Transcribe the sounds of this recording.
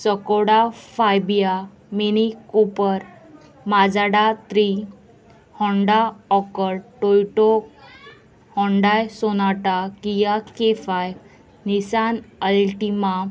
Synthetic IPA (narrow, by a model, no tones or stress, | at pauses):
səkoɽafajbija | minikopəɾ | mad͡zaɽat̪ɾi | hɔɳɖaɔkəɾʈojʈɔk | hɔ̃ɳɖajsonaʈakijakefaj | nisanəlʈima